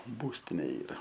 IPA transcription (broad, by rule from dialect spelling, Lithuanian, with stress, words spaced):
ˈbuːsʲtʲɪnʲeː ˈiːrɐ